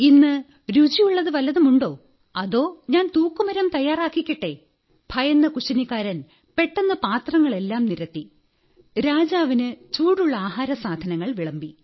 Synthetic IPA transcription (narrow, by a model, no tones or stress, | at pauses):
inːɨ | ɾud͡ʑijuɭːɐðɨʋɐlɐðumuɳɖo̞ː | ɐðo̞ːɲaːnt̪uːkːumɐɾɐmt̪ɐjːaːraːkːikʲːiʈːe̞ | b̥ʱɐjɐnːɐkuɕɐnikːaːɾɐn | pe̞ʈːɐnːɐpaːt̪rɐŋːɐɭe̞lːaːmniɾɐt̪ːi | ɾaːd͡ʑaːʋinɨt͡ɕuːɽuɭːɐaːɦaːɾɐsaːd̪ʱɐnɐŋːɐɭʋiɭɐmbi